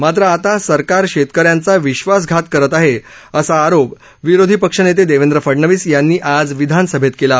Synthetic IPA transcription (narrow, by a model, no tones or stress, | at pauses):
mat̪ɾəat̪asəɾkaɾɕet̪kəɾjãnt͡saʋiɕʋas̬ɡʱat̪kəɾət̪aɦe | əsaːɾop | ʋiɾod̪ʱipəkʂənet̪̬ed̪eʋend̪ɾəfəɽɳəʋiːsjanːiːʔad͡zʋid̪ʱansəbʱet̪kela